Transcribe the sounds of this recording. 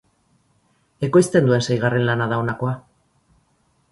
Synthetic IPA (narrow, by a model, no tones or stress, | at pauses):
e̞ko̞jst̪e̞nd̪ue̞nsajɣare̞nlanaðaonako̞a